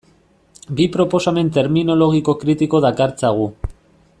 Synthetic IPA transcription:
bipɾo̞po̞same̞nt̪e̞ɾmino̞lo̞ɣ̞iko̞kɾit̪iko̞ðakaɾt͡saɣ̞u

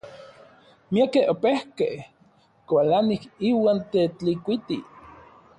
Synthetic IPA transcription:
miakeopehkeh | kʷalanikiwaːnt̪et͡ɬikʷit̪ḭ

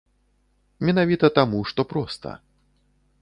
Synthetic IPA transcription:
mʲɛnavʲit̪ɐt̪amuʂt̪ɔpɾɔst̪ɐ̰

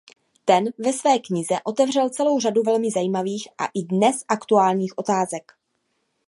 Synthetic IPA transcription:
t̪ɛnvɛsvɛːkɲɪzɛʔo̞t̪ɛvr̝ɛlt͡sɛlo̞wr̝aduvɛlmɪzajiːmaviːxʔa̰ʔɪdnɛsʔakt̪uaːlɲiːxʔo̞t̪aːzɛk

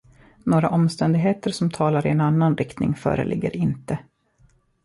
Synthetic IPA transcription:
noːɾaʔɔmst̪ɛnd̪ɪɡɦeːt̪əɾʂɔmt̪ʰɑːlaɾɪɛnanːanɾɪkt̪nɪ̰ŋfœ̰ːɾə̰lʔɪɡːə̰ɾɪnt̪ə

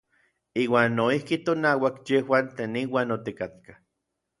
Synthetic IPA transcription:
iːwaːnːoihkit̪onawakjewant̪eːniwaːnot̪ikat̪̚ka

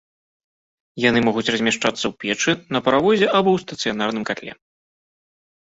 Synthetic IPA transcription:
jan̪ɨmɔɣut͡sʲrɐzʲmʲaʂt͡ʂat̪sːɐwpʲɛt͡ʂɨnɐpɐɾavɔzʲɛʔabɔwst̪ɐt̪sɨjanarnɨmkat̪lʲɛ̰

